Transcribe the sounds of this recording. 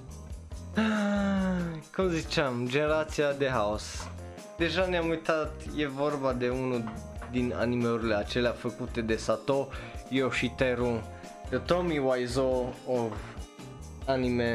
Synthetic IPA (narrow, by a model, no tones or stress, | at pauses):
a | kumzit͡ʃamd͡ʒeneɾat̪siad̪eɦaos | d̪eʒaneamujt̪at̪jevorbad̪e̞unud̪ina̰nimeɾileat͡ʃeleafəkut̪ed̪esat̪ojowʃit̪eɾu | d̪et̪omiwajzoov | anime